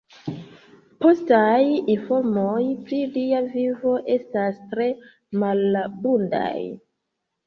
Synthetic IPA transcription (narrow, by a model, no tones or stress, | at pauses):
po̞stajinfo̞ɾmojpɾiliavivo̞ʔe̞stastɾe̞ | malbunda̰j